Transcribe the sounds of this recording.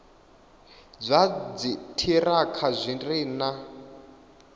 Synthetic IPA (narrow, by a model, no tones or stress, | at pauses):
d͡zʷad͡zitʰiɾakʰazʷinrina